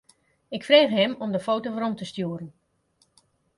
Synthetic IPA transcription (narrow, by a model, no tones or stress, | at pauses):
ɪkfreːχɦɪmɔmdəfoːtoʋəɾɔmtəstjuːɾən